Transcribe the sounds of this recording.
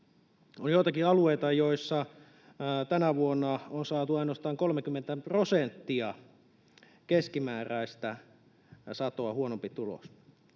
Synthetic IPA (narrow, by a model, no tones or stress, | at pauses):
onjoˑit̪ɑkiɑlueit̪ɑjoisːɑ | t̪ænæʋuonːɑonsɑːt̪uɑinŏɑst̪ɑːŋkolmekymːent̪æprosent̪ːiɑ | keskimæːræist̪æ | sɑt̪oɑhuonompit̪ulo̰s